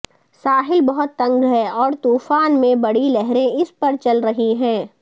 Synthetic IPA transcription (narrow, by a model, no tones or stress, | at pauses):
saːɦɪlbɐɦʊt̪ːɐ̃ŋɡɦɛɔːɾt̪uːfaːnmẽbɐɽilɛɦɾẽɪspɐɾt͡ʃɐlɾɐɦiɦɛ̃ː